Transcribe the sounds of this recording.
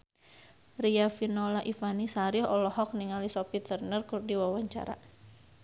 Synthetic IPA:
riafinɔlaʔifanisaɾihɔlɔhɔk̚niŋalisɔpit̪ərnərkurdiwawaɲt͡ʃa̰ɾa̰

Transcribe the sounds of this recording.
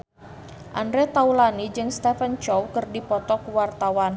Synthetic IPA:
ʔandɾɛt̪aulanid͡ʒɨŋst̪ɛfənt͡ʃɔwkɨrdipɔt̪ɔkuwart̪awan

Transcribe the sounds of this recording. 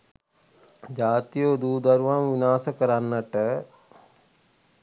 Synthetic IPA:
d͡ʒaːt̪ijəd̪uːd̪əɾuʋamʋinaːsəkəɾanːəʈə

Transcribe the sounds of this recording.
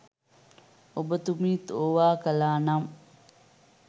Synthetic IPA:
obɐt̪umiːt̪oːʋaːkɐlaːnam

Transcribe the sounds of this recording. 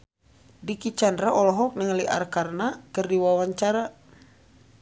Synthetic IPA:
dikit͡ʃandɾaʔɔlɔɦɔk̚nɛŋliʔa̰rkarnakərdiwawaɲt͡ʃaɾa

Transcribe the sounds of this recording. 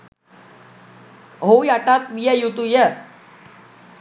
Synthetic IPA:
ɦowjaʈat̪ʋijəjut̪ujə

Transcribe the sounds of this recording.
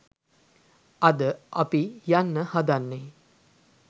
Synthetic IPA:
ɐd̪əʔapijanːəhad̪anːe

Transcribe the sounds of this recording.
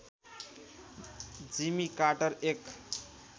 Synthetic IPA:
d͡zimikaʈʌɾek

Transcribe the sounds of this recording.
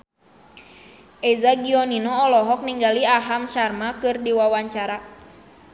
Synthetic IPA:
ʔɛzaɡiɔninɔːlɔɦɔk̚niŋɡaliaɦamʃarmakɨrdiwawaɲt͡ʃaɾa

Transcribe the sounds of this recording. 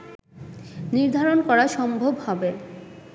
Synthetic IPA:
niɾd̪ʱaɾonkɔɾaʃɔmbʱobhɔbe

